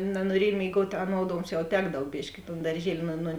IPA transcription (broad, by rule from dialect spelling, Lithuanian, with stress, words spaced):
nɐnuɔˈrʲiɛj mʲeːɪˈɡuɔtʲ ɐˈnoːt ˈoːŋksʲˌt͡ʃʲɛʊ ˈtʲæːɡdɐw ˈbʲɪʃʲkʲɪ ɪ toːn dɐrʲˈʒʲiɛlʲɪ nʊ nʊ